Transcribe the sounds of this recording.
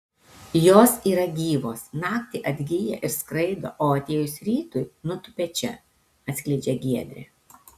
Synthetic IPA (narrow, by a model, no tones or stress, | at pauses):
joːsiːɾɐɡʲiːʋoːsnɑːkt̪ʲɪʔɐd̪ʲɡʲijɛ̰ʔɪɾskɾɐɪd̪o̰ːʔoːɐt̪ʲeːjʊsɾʲiːt̪ʊɪnʊt̪ʊpʲɛt͡ʃʲɛ | ɐt̪sʲkʲlʲɛɪd͡ʒʲɛɡʲiɛd̪ʲɾʲɛ̰